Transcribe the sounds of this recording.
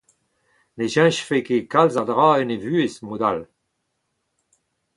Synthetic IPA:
neʒɛ̃ʃfekekalzad̪ʁaːɛnevyːesmod̪al

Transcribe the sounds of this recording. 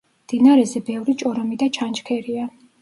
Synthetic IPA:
md̪̥inaɾɛzɛbɛvɾit͡ʃʼɔɾɔmid̪at͡ʃʰant͡ʃkʰɛɾia

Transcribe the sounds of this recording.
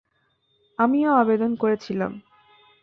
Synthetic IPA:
amioabed̪onkoɾet͡ɕʰila̰m

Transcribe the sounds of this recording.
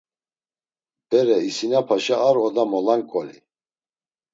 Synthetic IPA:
b̪̥ɛɾɛisinapʰaʃaaɾɔd̪amɔlaŋkʼɔlḭ

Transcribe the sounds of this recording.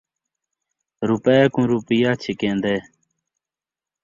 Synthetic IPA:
ɾupekũɾupijaːt͡ɕʰikẽːnd̪eː

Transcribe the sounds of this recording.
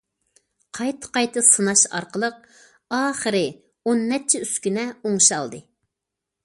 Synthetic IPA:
qʰɑjt̪ʰə̥qɑjt̪ʰɨsɨnɑʃɑ̰ɾqəlˠəq̚ | ɑːχəɾɨ | onːɛt͡ʃʰɛyskʲynɛoŋʃɑ̰lˠd̪ɨ

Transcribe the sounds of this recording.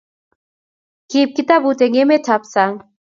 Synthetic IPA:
kiːp̚kit̪abut̪eŋemetʰapsaŋ

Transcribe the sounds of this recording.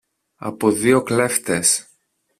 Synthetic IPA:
ɐ̰poðio̞kle̞ft̪es

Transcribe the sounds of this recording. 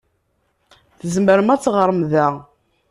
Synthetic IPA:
θəzməɾəmæt͡sːʁəɾˤmðæ

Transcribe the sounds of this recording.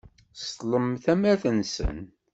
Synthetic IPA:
sləmθæmæθənsə̰n

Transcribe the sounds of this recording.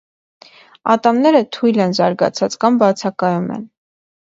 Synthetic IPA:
ɑ̰t̪ɑmnɛɾət̪ʰujlɛnzɑɾɡɑ̰t͡sʰɑt͡skɑmbɑt͡sʰɑkɑjumɛ̰n

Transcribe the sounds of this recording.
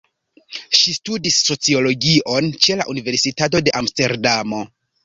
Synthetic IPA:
ʃistudisːo̞t͡sio̞lo̞ɡiʔo̞nt͡ʃe̞laʔunive̞ɾsitat̬o̞de̞ʔamste̞ɾdamo̞

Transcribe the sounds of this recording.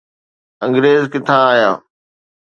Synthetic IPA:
ə̃ŋɡɾeːzkɪt̪ʰãaːɦjaː

